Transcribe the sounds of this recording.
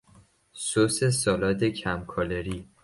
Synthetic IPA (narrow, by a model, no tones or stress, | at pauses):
sosesɒːlɒːt̪ʰecʰæmkʰɒleɾiː